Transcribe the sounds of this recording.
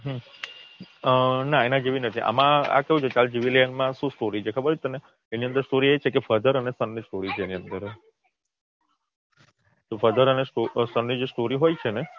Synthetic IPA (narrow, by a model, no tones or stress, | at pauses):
ɦ | ənãenãd͡ʒeʋinət̪ʰiʔa̰mãa̰keɦũt͡ʃʰet͡ʃald͡ʒiʋilejənmãʃũsʈoɾit͡ʃʰekʰəbəɾt͡ʃʰet̪əne | eniənd̪əɾsʈoɾiet͡ʃʰekefəd̪ʱəɾənesənːisʈoɾit͡ʃʰeeniənd̪əɾ | t̪ofəd̪əɾənesʈosənːid͡ʒesʈoɾiɦojt͡ʃʰene